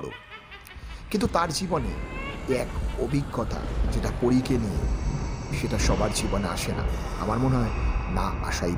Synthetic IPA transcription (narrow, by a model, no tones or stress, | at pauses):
ɽo̰ | kint̪ut̪aɾd͡ʑibonḛɛkobʱiɡːɔt̪a̰d͡ʑeʈapoɾikenie | ʃeʈaʃɔbaɾd͡ʑibonea̰ʃena̰ | a̰maɾmoneɦɔenaa̰ʃaj